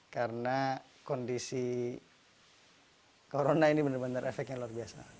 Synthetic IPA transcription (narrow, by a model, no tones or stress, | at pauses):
kaɾəna | kɔndisi | koɾonainibənərbənaɾɛfɛkjaŋluarbiasa̰